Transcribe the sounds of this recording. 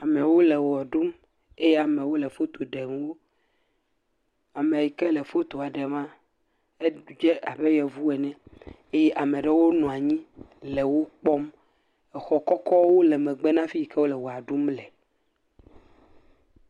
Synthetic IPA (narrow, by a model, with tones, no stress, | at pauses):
a˨mɛ̃˨wo˦le˨wɔ˨ɖu˦m | e˦jɛ˦a˨mẽ˨wo˦le˨fo˦t̪o˨ɖe˨m˦wo˦ | a˨mẽ˨ji˨kɛ˦le˨fo˦t̪o˨a˨ɖe˨mã˦ | e˦d͡ʒe˦a˨be˦jɛ˨vu˦ɛ˨nɛ̃˦ | e˦jɛ˦ʔa˨mẽ˨ɖe˦wo˦nɔ̃˨a˨ɲĩ˦ | le˨wo˦k͡pɔ˦m | ɛ˨xɔ˦kɔ˦kɔ˦wo˦le˨mɛ̃˨ɡ͡be˦nã˦fi˦i˨ke˦wo˦lɛ˨wɔ˨a˨ɖu˦mlɛ˨